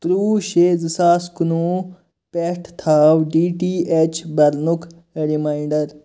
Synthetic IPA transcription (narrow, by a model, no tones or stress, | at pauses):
t̪ɾuːʃeːzisaːskunũː | peʈʰt̪ʰaːwɖiːʈiːet͡ʃʰbɐɾnukʰ | ɾimaːiɳɖɐɾ